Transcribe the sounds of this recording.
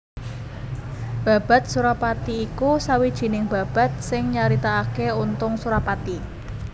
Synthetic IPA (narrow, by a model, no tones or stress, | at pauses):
b̥a̤b̥a̤t̪̚suɾapat̪iːkusawid̥ʒ̥i̤nɪŋba̤b̥a̤t̪̚sɪŋɲaɾit̪aːkeunt̪ʊŋsuɾapat̪i